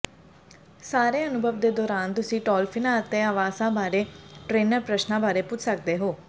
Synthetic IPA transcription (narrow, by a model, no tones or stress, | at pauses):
saːɾeːənʊbʱəʋd̪eːd̪ɔːɾaːnt̪ʊsĩːʈɔːlpʰɪnãːət̪ẽːaːʋaːsãːbaːɾeːʈɾeːnəɾpɾəʃnãːbaːɾeːpʊt͡ʃʰsək̚d̪eːɦoː